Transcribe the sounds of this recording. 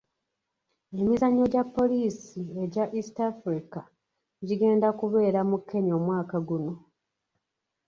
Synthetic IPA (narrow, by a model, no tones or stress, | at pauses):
e̞mizaɲːo̞ɟapːo̞liːsie̞ɟaʔistafɾika | ɟiɡe̞ːndakuβe̞ːɾamukːe̞ɲo̞mwaːkaɡuno̞